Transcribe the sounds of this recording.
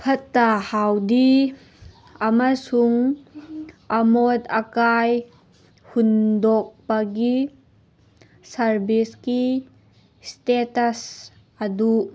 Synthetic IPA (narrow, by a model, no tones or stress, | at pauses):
pʰɐtːahawdi | ɐmɐsuŋ | ɐmodɐkaj | hundok̚pɐɡi | sɐɾbiski | stetɐs | ɐdu